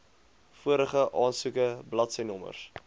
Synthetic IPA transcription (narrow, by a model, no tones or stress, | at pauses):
fuəɾəχəʔɑːnsukəblɐtsɛjnɔmə̰rs